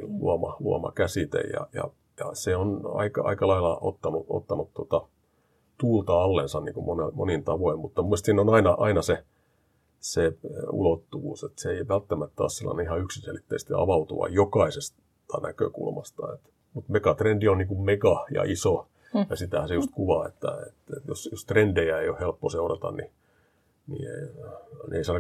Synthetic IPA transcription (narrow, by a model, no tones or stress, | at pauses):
lṵɑmɑ̰luɑ̰mɑ̰kæsit̪ḛjjɑ̰jɑ̰ | jɑ̰seonɑ̰ikɑɑ̰ikɑlɑilɑʔo̰t̪ːɑnuo̰t̪ːɑnutt̪uot̪ɑ | t̪uːlt̪ɑɑlːensɑnnḭŋkumonemo̰nint̪ɑʋoimmut̪ːɑmuist̪sinonɑinɑʔɑinɑse | seṵlot̪ːuʋṵːset̪seeiʋælt̪ːæmæt̪ːæo̰ːssilːɑ̰neihɑyksinselit̪ːæist̪iɑ̰ʋɑut̪ṵʋɑ̰jjokɑises | t̪ɑ̰nækø̰kṵlmɑst̪ɑ̰ḛt̪ | mut̪mekɑt̪rendionniːŋkummekɑjɑ̰ʔiso | jɑsit̪æhæsejust̪kuʋɑːḛt̪ːæ̰ḛt̪et̪jo̰sjost̪rendejæeiohhelpːoseurɑt̪ɑ̰nni | nḭḛ | n̰ḛisɑːn